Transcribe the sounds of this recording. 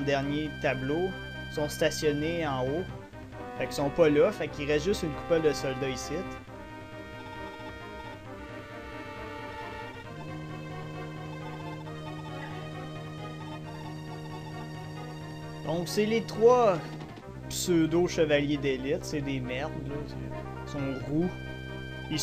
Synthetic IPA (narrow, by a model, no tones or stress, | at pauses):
d̪ɛʁnjet̪ablo | sɔ̃st̪asjɔneɑ̃o | faksɔ̃pʌlɔfakiʁɛsʒʏst̪ynku̥pɛld̪əsɔld̪aisɪt̪ | d̪̥ɔ̃kselet̪χwɔ | psød̪oʃəvaljed̪elɪt̪sed̪eːmɛʁnlɔs | sɔ̃ʁu | i